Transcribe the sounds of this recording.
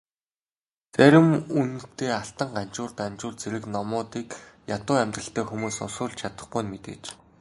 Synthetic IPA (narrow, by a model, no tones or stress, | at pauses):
t͡sæɾʲɪ̆munt̪eːaɬt̪ə̆ɴɢan̥t͡ɕʊːrt̪ant͡ɕʊːrt͡sʰeɾɘ̆knɔmʊːt̪iːkjat̪ʊːæmʲt̪rə̆ɬt̪æːxumuːsʊ̰sʊːɮt͡ɕʰat̪ə̥̆χɡujnmet̪ḛːt͡ɕ